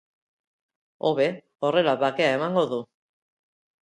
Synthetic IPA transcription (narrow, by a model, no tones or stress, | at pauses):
o̞βe̞ | o̞re̞laβake̞ae̞maŋɡo̞ðu